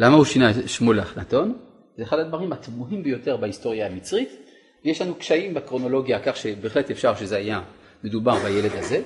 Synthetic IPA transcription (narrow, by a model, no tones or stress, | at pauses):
lamauʃinaʃmoleaχnato̞n | zeːχadad̪vaʁimat̪muɦimbejo̞te̞ʁbahisto̞ʁjaamit͡sʁit̪ | vejeʃlanukʃaimbekʁo̞no̞lo̞ɡjakaχʃebeːχle̞tefʃaʁʃezeaja | me̞dubaʁbajele̞dhaze̞